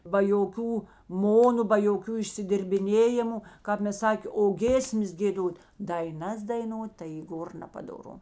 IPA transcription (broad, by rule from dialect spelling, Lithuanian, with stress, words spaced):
bɐ joːˈkʲuː ˈmoːnʊ bɐ joːˈkʲuː ɪʃʲsʲɪdʲɪrʲbʲɪˈnʲeːjɪmʊ ˈkɑːp mʲɛs ˈsɑːkʲeː oː ˈɡʲeːsʲmʲɛs ɡʲeːˈdoːtʲ dɐɪˈnɐs dɐɪˈnoːt tɐɪ iː ˈɡoːr nʲɛpɐdoːˈrʊ